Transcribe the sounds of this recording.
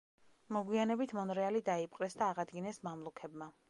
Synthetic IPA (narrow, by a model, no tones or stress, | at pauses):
mɔɡwianɛbit̪ʰmɔnɾɛalid̪aip̚ʼqʼɾɛsd̪aːʁad̪ɡinɛsmamlˠukʰɛbma